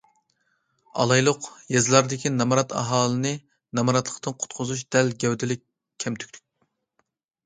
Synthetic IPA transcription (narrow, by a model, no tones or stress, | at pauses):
ɑ̰lˠɑjlˠʊqjɛzlˠɑɾd̪ɪkʲʰinɑmɑɾɑt̪ɑ̰ɦɑːlˠɨnɨ | nɑmɑɾɑt̪lˠəqt̪ɨnqʰʊ̥t̪qʰʊzuʃd̪̥ɛlɡʲɛwd̪ɪlɪkʲʰː | ɛmt̪ʰy̥kʲlʰy̥kʲ